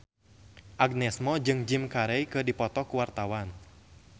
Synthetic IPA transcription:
ʔaɡnɛsmɔd͡ʒɨŋd͡ʒimkaɾɛjkɨdipɔt̪ɔkuwart̪awan

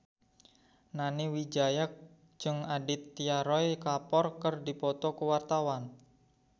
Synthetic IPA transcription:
naniwid͡ʒajak̚ | d͡ʒɨŋadit̪ːiaɾɔjkapɔrkərdipɔt̪ɔkəwart̪awan

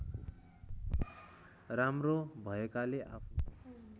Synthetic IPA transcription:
ɾamrobʱʌekaleʔa̰pʰ

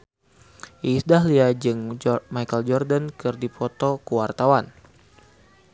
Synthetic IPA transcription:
ʔisdaɦliad͡ʒɨŋmajkəld͡ʒɔrdankɨrdipɔt̪ɔkəwart̪awan

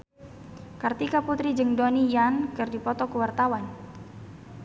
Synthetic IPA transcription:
kart̪ikaput̪ɾid͡ʒəŋdonijankərdipɔt̪ɔkəwart̪awan

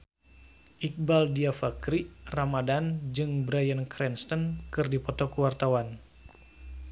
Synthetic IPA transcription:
ʔik̚baldiafakɾiramadand͡ʒɨŋbɾajənkɾɛnst̪ənkɨrdipɔt̪ɔkuwart̪awan

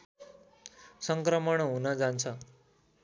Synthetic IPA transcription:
sʌŋkɾʌmʌɽ̃ɦunʌd͡zant͡sʰʌ

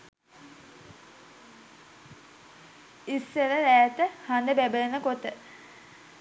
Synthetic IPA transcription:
isːeɾəɾæːt̪əhand̪əbæbəlenəkot̪ə

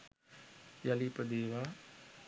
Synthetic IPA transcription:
jalipəd̪eːʋa

